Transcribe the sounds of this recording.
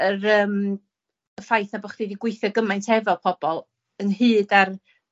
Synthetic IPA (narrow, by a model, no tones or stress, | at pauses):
əɾəːm | əfajθnabɔχd̥ediɡwɪɨθjɔɡəmajntʰɛvɔpʰɔb̥ɔlˠ | ənhɨːdar